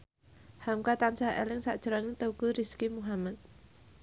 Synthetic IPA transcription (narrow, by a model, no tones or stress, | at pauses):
hamkat̪ansaḛlɪŋsa̰ʔd̥ʒ̥əɾaŋit̪oukuɾiskimuɦamat̪̚